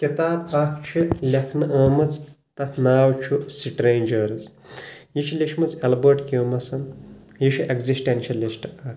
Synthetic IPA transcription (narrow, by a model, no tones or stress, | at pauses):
kit̪aːbakʰt͡ʃʰilʲɐkʰnɨʔɐːmɐt͡s | t̪ɐt̪ʰnaːwt͡ʃʰusiʈɾeːnʲd͡ʒɐːɾɐz | jit͡ʃʰilʲiʃʰmɐt͡sɐlbəɾʈkʲoːmɐsɐn | jiʃʰiʔekzisʈenʃɐlisʈɐːkʰ